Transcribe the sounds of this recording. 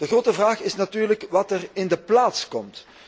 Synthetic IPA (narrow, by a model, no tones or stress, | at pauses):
d̥əɣroːtəvraːxɪsnatyːrləkʋɑtərɪndəplaːtskɔmt